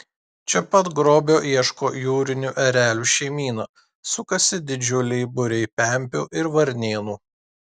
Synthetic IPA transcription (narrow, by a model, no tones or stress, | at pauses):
t͡ʃʲɛpɐt̪ɡɾoːbʲoːʔiɛʃkoːjuːɾʲɪnʲuʔɛɾʲæːlʲuːʃʲɛɪmʲiːnɐ | sʊkɐsʲɪd̪ʲɪd͡ʒʲʊlʲɛɪbʊɾʲɛɪpʲɛˑmʲpʲuːʔɪɾʋɐɾʲnʲeːnuː